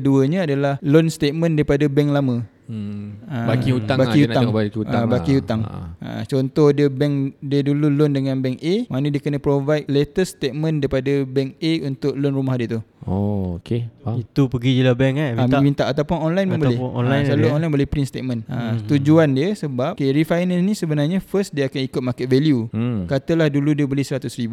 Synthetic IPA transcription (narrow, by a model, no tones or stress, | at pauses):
kəduəɲəadalahlonst̪et̪̚mə̃ndaɾipadabɛŋlamə̃ | əbakiut̪aŋbaiunabakiut̪abakiut̪aŋ̰ə̰t͡ʃɔnt̪ɔhdiəbɛŋdiədululondəŋãnbɛŋemanədiəkənə̃pɾovajt̚let̪əst̪et̪̚mə̃ndaɾipadəbɛŋeunt̪ʊʔlʊnrumahdiəʔt̪uookeait̪upəɡid͡ʒilabɛŋamamint̪aʔat̪awpʊnɔnlajnməmbolɪɔ̰nlajsəlaluɔnlajnmbolɪhpɾinst̪et̪̚mə̃nʔət̪ud͡ʒuandiəsəbap̚keɾifajnannĩsəbənarɲafəsdiəakanikʊt̪̚makɛt̪̚veljukat̪əlahduludiəbəlɪhsəɾat̪ʊsɾibu